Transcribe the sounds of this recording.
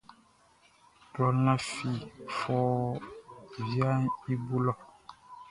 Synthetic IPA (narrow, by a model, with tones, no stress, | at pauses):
tɔ˨lã˦fi˨fɔː˦ | vja˦ni˦bu˦lɔ˨